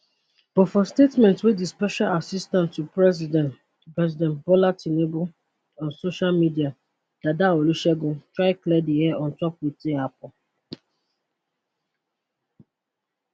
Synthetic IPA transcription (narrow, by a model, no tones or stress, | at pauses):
b̥ɔfɔstetmɛ̃ntswidispɛʃalasistãnstːu | pɹɛzidɛ̃ntbɔlatʰinebo | ɔ̃nsoʃalmidia | d̥adaoluʃɛɡõtɹaɪklɛdiɛʔɔ̃ntɔpwiteapɔ